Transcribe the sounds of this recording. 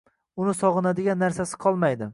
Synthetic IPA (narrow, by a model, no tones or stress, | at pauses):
ʊnɪsɒʁɨnad̪ɪɡʲanːaɾsasɪ̥qʰɒlˠmajd̪ɪ